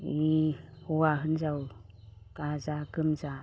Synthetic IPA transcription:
i | uwaɦɯnzaw | kazakɯmza

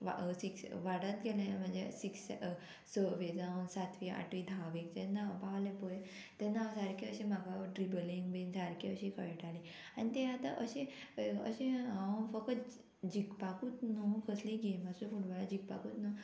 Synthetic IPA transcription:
ʋasiksʋaɽət̪̚ɡelẽm̤ənd͡zḛsiks | səʋed͡zawnsat̪ʰʋia̰ʈid̪ʱaʋik̚t̪enːapaʋlepɔj | t̪enːaʋsaɾkiəɕemaɡaʈɾibəliŋɡbensaɾkiəɕikʰəɭʈʰali | anit̪eat̪aʔəɕẽə̰ɕẽãfəkət̪ | d͡ʑikpakut̪nokʰəsliɡemasufuʈʋalad͡ʑik̚pa̰kut̪no

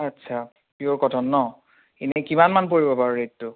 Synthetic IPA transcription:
atːsʰa | pioɹkɔtʰɔnːɔ | enɛkimanmanpoɹibɔpaɹuɹettʊ

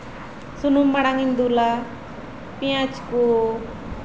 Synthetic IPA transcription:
sunumːaɽaŋind̪ula | piãt͡ʃko

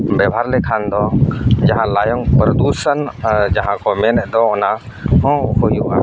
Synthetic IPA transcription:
bɛbʱaɾlɛkʰand̪ɔd͡ʒaɦãlajɔŋpɾɔd̪usənd͡ʒaɦãkʰɔmɛnɛd̪ɔɔna | ɔ̃hojuʔa̰

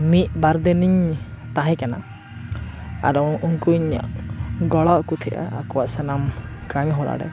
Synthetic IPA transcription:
mit̪̚baɾd̪ɛniɲt̪aɦɛ̃kana̰ | a̰ɾɔuŋkuiɲa̰ʔɡɔɭɔʔkut̪ʰiʔa̰akɔwaʔsanamkaɲɦɔɾa̰ɖɛ̰

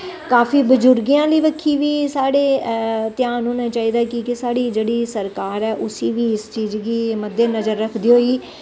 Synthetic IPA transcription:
kaːfiːbəd͡ʒʊɾɡijãːliːʋəkʰːiːʋiːsaːɽeːt̪ɪjaːnɦoːnãːt͡ʃaːiːd̪aːkɪkɪsaːɽiːd͡ʒeːɽiːsəɾkaːɾɛːʔʊsiːʋiːɪst͡ʃiːzɡiːməd̪ːeːnəzəɾːəkʰd̪iːɦoːiː

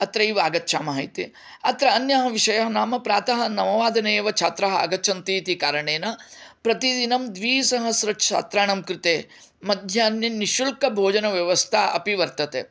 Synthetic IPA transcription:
ɐt̪ɾɐiʋaːɡɐt̪ːʃaːmɐɦɐit̪i | ɐt̪ɾɐːnjɐɦɐʋiʃɐjɐɦɐnaːmɐpɾaːt̪ɐɦɐ̆nɐmɐʋaːd̪ɐneːʋɐt͡ʃʰaːt̪ɾɐɦɐa̰ːɡɐtːt͡ʃʰɐnt̪it̪ikaːɾɐɳeːnɐpɾɐt̪id̪inɐmd̪ʋiːsɐɦɐsɾɐt͡ʃʰa̰ːt̪ɾaːɳɐmkɾɪt̪eː | mɐd̪ʱjaːnjɐniʃulkɐbʱoːd͡ʒɐnɐʋjɐʋɐst̪ʰaːʔɐ̰piʋɐɾt̪ɐt̪ḛː

